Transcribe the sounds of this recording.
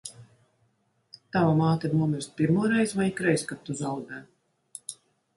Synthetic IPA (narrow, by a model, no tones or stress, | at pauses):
t̪avamaːt̪ʲɛnuɔmʲiɾst̪̚pʲiɾmuɔɾɛjzvajkɾɛjskat̪ːuzawd̪ɛː